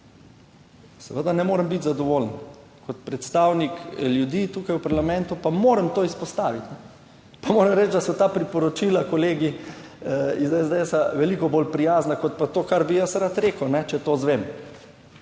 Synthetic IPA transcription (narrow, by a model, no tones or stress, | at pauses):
sɛʋəd̪anɛmoːɾəmbit̪zad̪ɔʋoːlən | kʰɔt̪pɾɛt̪st̪awnikljud̪iːt̪uːkajwpaɾlamɛnt̪upamoːɾəmt̪oːispɔst̪aːʋit̪nɛ | pamoːɾəmɾɛt͡ʃd̪asɔt̪aːpɾipɔɾɔt͡ʃiːlakɔleːɡi | izɛzd̪eɛsaʋɛlikɔbolpɾijaːznakɔt̪̚pat̪oːkaɾbijasɾat̪ɾeːkəwnɛt͡ʃɛt̪oːzʋem